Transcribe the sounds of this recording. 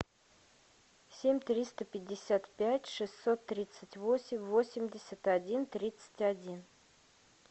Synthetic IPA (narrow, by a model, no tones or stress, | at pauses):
sʲemʲt̪ɾʲist̪əpʲɪdʲːɪsʲat̪pʲætʲʂɨsʲːo̞t̪ːɾʲit̪sətʲvosʲɪmʲvosʲɪmʲdʲɪsʲət̪ɐdʲint̪ɾʲit̪sə̥tʲɐdʲin